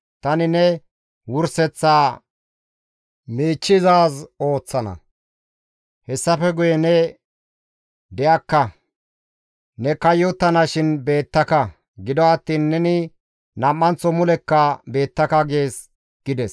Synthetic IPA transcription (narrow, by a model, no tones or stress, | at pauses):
t̪ɐnɪnɛ | wʊɾsɛt͡sːaː | miːt͡ʃːɪzaːso̞ːt͡sːɐnɐ̰ | hɛsːɐfɛɡʊjɛnɛ | d̪ɛjɐkːɐ | nɛkɐjɔt̪ːɐnɐʃɪnbe̞ːt̪ːɐkɐ | ɡɪd̪ɔɐt̪ːiːnːɛnɪ | nɐmːɐnt͡sːɔmʊlɛkːɐbe̞ːt̪ːɐkɐɡeːs | ɡ̥ɪd̪ɛs